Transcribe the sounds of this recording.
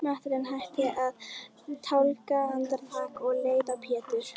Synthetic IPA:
mat̪ʏɾɛnɦajht̪ɪʔað | t̪ʰawlkaant̪aɾlaːkɔɣleːjðapʰɛːt̪ʏɾ̥

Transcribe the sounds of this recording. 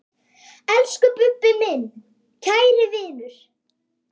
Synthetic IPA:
ɛlskʏpʏpːɪmɪn | cʰaːjɾɪvɪːnʏɾ̥

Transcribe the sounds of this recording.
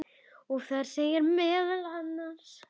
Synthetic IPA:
ɔɣθaɾ̥seːjɪɾmɛːðalanːans

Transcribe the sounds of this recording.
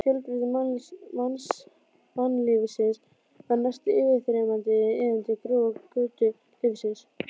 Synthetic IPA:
fjœlp̪ɾitɪmmans | manːlɪvsɪns | anast̪ɪɪːvɪðθɾɛmant̪ɪɪːðɪnt̪ɪkɾuakʏːt̪ʏ | lɪvsɪns

